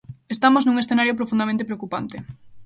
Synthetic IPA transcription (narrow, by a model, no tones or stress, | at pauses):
est̪amoznũŋesθenaɾjopɾofũnd̪amẽnt̪epɾeokupa̰nt̪e